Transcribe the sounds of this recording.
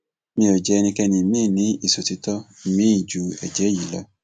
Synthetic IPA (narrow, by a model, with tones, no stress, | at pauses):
mĩ˧o˨d͡ʒɛ˨˦˧nĩ˧kɛ˧nĩ˧mĩ˦˨nĩ˨˦i˦˨so˨ti˧tɔ˦mĩ˦i˦˨d͡ʒu˨˦ɛ̰˨d͡ʒɛ˨˦ji˨la˨˦